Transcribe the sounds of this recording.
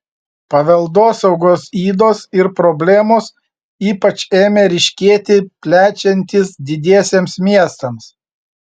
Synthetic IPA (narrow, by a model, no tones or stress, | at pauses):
pɐʋʲɛlˠd̪oːsɐʊɡoːsiːd̪oːsɪɾpɾɔbʲlʲeːmos | iːpɐt͡ʃʲeːmʲɛɾʲɪʃʲkʲeːt̪ʲɪpʲlʲæːt͡ʃʲɛnʲt̪ʲɪsd̪ʲɪd̪ʲeɛsʲeːmsmʲiɛst̪ɐms